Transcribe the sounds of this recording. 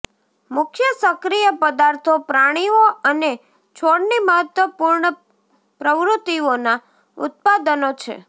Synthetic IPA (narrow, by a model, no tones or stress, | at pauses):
mʊkʰjəsəkɾijəpəd̪aɾt̪ʰopɾaɽ̃ioəne | t͡ʃʰoɽniməɦət̪ʋəpuɾɳə | pɾəʋɾut̪ːiona | ʊ̰t̪̚pad̪ənot͡ʃʰḛ